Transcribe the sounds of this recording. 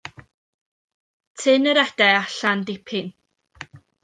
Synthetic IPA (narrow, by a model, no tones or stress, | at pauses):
tʰɪnəɾɛd̥ɛaɬandɪpʰɪn